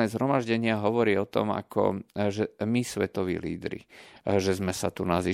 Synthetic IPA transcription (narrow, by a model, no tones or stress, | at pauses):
ɛːzɦɾɔmaʒɟɛɲɪaɦɔʋɔɾiːɔt̪ɔ̰ma̰kʰɔ̰ʒɛmisʋɛt̪ɔʋḭːlḭːd̪ɾḭʒɛzmɛsat̪unazi